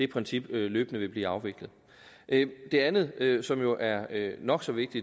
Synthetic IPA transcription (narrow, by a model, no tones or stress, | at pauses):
d̥e̝pʰʁɛnsib̥løːb̥ənəʋe̝b̥liːɑ̈ʊʋe̝ɡ̥lð̩ˠ | ʔød̥e̝ænð̞̩ˠøsɒ̽mjo̝ʔæɐønɒ̽ɡ̥sɒ̽ʋe̝ɡ̥̚d̥i